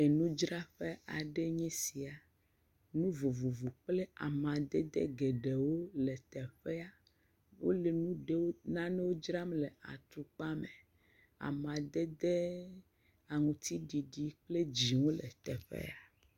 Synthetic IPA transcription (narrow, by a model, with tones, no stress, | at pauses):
e˨nũ˦d͡ʒɾa˦ɸe˦a˨ɖe˦ɲɛ̃˦si˨a˨ | nũ˦vo˨vo˨vu˨k͡ple˦a˨mã˨d̪ɛ˦d̪ḛ˦ɡe˨ɖe˨wo˦le˨t̪ɛ˨ɸɛ˦a˨ | wo̰˦le˨nũ˦ɖe˦wo˦nã˦ne˦wo˦d͡ʒɾa˦mle˨a̰˨t̪u˨k͡pa˦mɛ˨ | a̰˨mã˨d̪ɛ˦d̪e˦ | a˨ŋũ˨t̪i˦ɖi˨ɖi˨k͡ple˦d͡ʑi˨wo˦lɛ̰˨t̪ɛ˨ɸɛ̰˦a˨